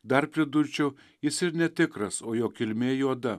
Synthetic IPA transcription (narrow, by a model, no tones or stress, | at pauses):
d̪ɐɾpʲɾʲɪd̪ʊɾʲt͡ʃʲɛʊ | jɪsɪɾnʲɛt̪ʲɪkɾɐsoːjoːkʲɪlʲmʲeːjuɔd̪ɐ